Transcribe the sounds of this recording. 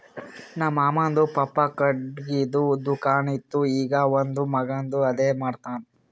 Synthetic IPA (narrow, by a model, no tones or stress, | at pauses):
naːmaːmaːnd̪upɐpːɐkɐɖɡid̪ud̪ukaːnit̪ːuiːɡɐʋond̪umɐɡand̪uɐd̪eːmaːɖt̪aːn